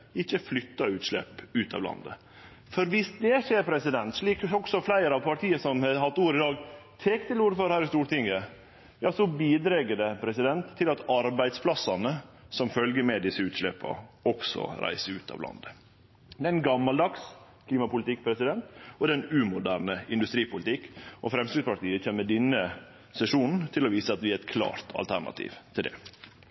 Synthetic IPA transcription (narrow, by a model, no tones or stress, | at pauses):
ɪçːəflʏt̪ːɑʉːt̪ʂlɛ̰pːʉːt̪ʰɑ̰ːʋlɑ̰nd̪ə̰ | fɔɾʋɪsd̪ɛʂeːɾpʰɾɛsɪd̪ɛnt̪ʂɭiːkɔksɔflæɪɾɑʋpʰɑʈʰiːəsɔmhɑɦɑt̪ːuːɾɪd̪ɑːɡt̪ʰɛkt̪ʰɪluːɾəfɔɾhæːɾɪst̪uːɾʈ̪ɪŋə | jɑːsɔbiːd̪ɾɛɡəɖɛpʰɾɛsɪd̪ɛnt̪ʰːɪlɑt̪ɑɾbæɪd̪spʰlɑsːɑnəsɔmfœlɡəɾmɛd̪ɪsːəʉːt̪ʂlɛpʰːɑ̰ɔksɔ̰ɾæ̰ɪsəʉːt̪ʰɑ̰ʋlɑ̰nd̪ə | d̪ɛæɪnɡɑmːɑld̪ɑkskʰliːmɑpʊlɪt̪ɪkːpʰɾɛsɪd̪ɛnt̪ɔd̪ɛnʉmʊd̪æːɾnəɪnd̪ʉst̪ɾiːpʊlɪt̪ʰɪkːʔɔfɾɛmsɾɪspɑʈt̪iːət͡ʃʰeːmːəd̪ɪnːə | sɛʂuːnn̩t̪ʰɪlɔʋiːsəɑt̪ʋɪæɾɛt̪kʰlɑ̰ːɾt̪ʰɑ̰lt̪ʰæɳɑ̰t̪ʰḭːʋt̪ʰɪld̪ɛ̰